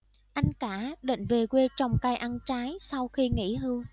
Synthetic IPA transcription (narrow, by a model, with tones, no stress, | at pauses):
ʔa˧jŋ̟kaː˧˩ɗḭ˧˨ŋ̟ve˨˩kwe˧t͡ɕɔ˧wŋ͡mkaː˧jʔa˧nt͡ɕaː˨˦jsa˧wxi˧ŋḭ˧˥ɦɨ˧w